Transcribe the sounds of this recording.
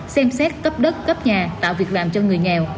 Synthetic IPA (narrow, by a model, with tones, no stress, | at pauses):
sɛ˧msɛ˦˥t̚kə˦˥p̚ɗə˦˥t̚kə˦˥p̚ɲaː˨˩t̪a̰ː˧˨wvi˨˩ək̚laː˨˩mt͡ɕɔ˧ŋɨ˨˩əjŋɛ˨˩w